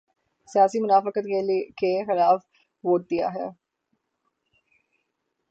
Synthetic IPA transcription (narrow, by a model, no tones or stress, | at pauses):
sijaːsimʊnaːfəkət̪ekexɪlaːf | ʋoːʈ̚d̪ija̰ɦɛː